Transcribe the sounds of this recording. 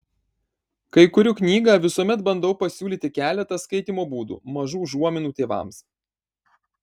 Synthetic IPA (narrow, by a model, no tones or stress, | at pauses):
kɐɪkʊɾʲʊknʲiːɡɐˑʋʲɪsuɔmʲɛt̪bɐnd̪ɐʊpɐsʲuːlʲiːt̪ʲɪkʲæːlʲɛt̪ɐskɐɪt̪ʲiːˑmoːbuːd̪ṵːmɐʒuːʒuɔmʲɪnuːt̪ʲeːʋɑ̰ˑms